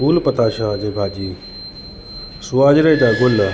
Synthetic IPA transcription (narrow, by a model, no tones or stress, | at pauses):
uːlpət̪aːɕad͡ʑebʱaːd͡ʑiː | suaːd͡ʑɾəjd͡ʑaɡolə